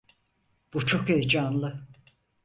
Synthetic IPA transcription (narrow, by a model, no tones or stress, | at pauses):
b̥ut͡ʃʰo̞kejd͡ʒanlˠɯ